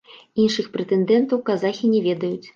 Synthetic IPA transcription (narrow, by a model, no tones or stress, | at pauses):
inʂɨxpɾɛt̪ɛnd̪ɛnt̪ɐwkazaxʲinʲɛvʲɛd̪ɐjut͡sʲ